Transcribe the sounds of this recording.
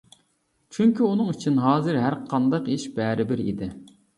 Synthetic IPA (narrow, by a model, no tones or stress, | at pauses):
t͡ʃʰyŋkʲiunɨŋyt͡ʃʰinɦɑːzɨɾɦæɾqʰɑnd̪ɑqiʃbɛːɾɪbɪɾḭd̪ɪ